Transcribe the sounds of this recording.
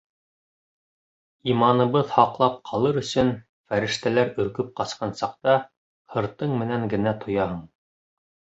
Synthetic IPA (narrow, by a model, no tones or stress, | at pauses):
imɑnɤ̆βɤðhɑqlˠɑp̚qʰɑlˠɤɾɵ̆sɵn | fæɾɘ̆ʃt̪ælæɾɵ̆ɾkɵp̚qɑsqɑnsɑq̚t̪ɑ | hɤ̆ɾt̪ɤɴmɘ̆næŋɡɘ̆næt̪ʰŏjɑɦɤɴ